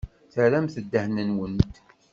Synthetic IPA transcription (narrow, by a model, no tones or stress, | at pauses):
θəɾæmθəd̪ːəhnənwənt̪